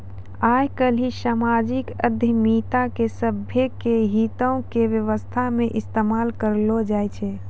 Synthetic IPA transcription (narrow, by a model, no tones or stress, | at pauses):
ajkəlisamad͡ʒikə̰d̪ʱəmit̪akesəbʱjekeɦit̪əʊ̃kebjəʋəst̪ʰameʔist̪emalkəɾlod͡ʒajt͡ʃʰɛ